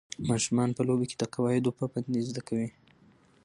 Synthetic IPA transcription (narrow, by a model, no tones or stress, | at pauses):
mɑʃumɑnpəlobeke̥d̪əqɑwɑhɪd̪opəpand̪izd̪akawi